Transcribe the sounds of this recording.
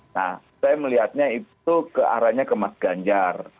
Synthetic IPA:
na̰h | sajaməliɦat̪̚ɲaitukəa̰ɾaɲakəmasɡaɲd͡ʒar

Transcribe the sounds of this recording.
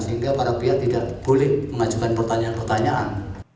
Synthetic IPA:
səɦiŋɡapaɾapiat̪idaʔ̚b̥olɪhməŋad͡ʒukanpərt̪aɲaanpərt̪aɲaʔan

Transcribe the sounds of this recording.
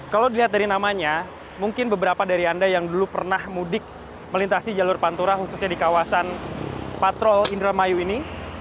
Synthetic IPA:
kalawdiliɦat̪̚daɾinamaɲa | muŋkɪnbəbəɾapadaɾiandajaŋdulupərnahmudɪk̚ | məlint̪asid͡ʒalʊrpant̪uɾaɦususɲadikawasanpat̪ɾɔlindɾamajuini

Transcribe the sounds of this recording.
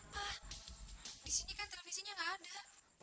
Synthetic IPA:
ah | disinikant̪elefisiɲaŋɡaːda

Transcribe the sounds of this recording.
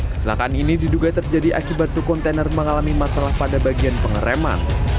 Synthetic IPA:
kə̥sila̰kaʔaninididuɡat̪ərd͡ʒadiʔa̰kibat̪ːukɔnt̪enərməŋalamimasalahpadabaɡianpəŋəɾema̰n

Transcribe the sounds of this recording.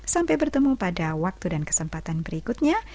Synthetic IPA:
sampajbərt̪əmupadawak̚t̪udankə̥səmpat̪anbəɾikut̪̚ɲa

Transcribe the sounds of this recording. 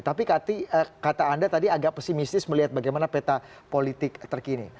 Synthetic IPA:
t̪apikat̪iəkat̪aːndat̪adiaɡaʔ̚pəsimist̪ɪsməliɦat̪̚baɡajmanapet̪a | polit̪ɪk̚t̪ərkinḭ

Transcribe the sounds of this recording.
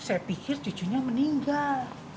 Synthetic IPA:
sajapikɪrt͡ʃu̥d͡ʒuɲaməniŋɡal

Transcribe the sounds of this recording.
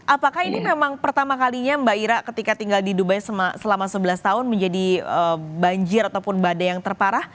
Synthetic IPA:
ʔapakahinimemaŋpərt̪amakaliɲambaiɾaʔkət̪ikat̪iŋɡaldidubajsəmasəlamasəbəlast̪aɦʊnməɲd͡ʒadiəbaɲd͡ʒɪɾat̪awpʊnbadajaŋt̪ərpaɾah

